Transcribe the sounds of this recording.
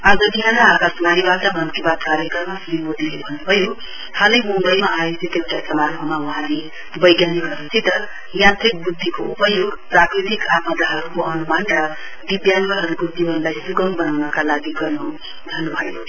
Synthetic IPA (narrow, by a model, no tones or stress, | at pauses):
ad͡zʌd̪ʱijanʌɦakasmanibaʈʌmʱʌnkibat̪kaɾjekʌrmasmimod̪ʱilebʱʌnːubʱʌjo | hãlʌjmumbʌjmaajosʰit̪ewʈajsʌmaɾɦomawʌɦãle | bʌjɡjaniɡʌrnut͡sʰit̪ʌ | jãnt̪ik̚bud̪ʱːikoupʌjoɡprakɾit̪ikap̪mʌd̪aɦʌɾukoʌnumanrʌ | b̪ibjanɡʌɦʌɾubud̪ʱːibʱʌnlajsuɡʌŋbʌnawnʌkalaɡiɡʌrnu | d̪ʱʌnːubʱʌjo̰